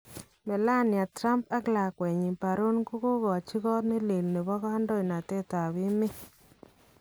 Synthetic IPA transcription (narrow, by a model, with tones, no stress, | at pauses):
mɛ˨la˦nja˨tɾa˦mpa˦kla˨kwɛ˨ɲi˨pa˨ɾo˦nku˦ko˦ɣɔ˨t͡ʃi˦ɣɔ˦ne˦le˨lne˨bɔ˦ɣɔ˦a˦ndɔ˦jna˨tɛ˦ta˨βɪ˦mɪ˦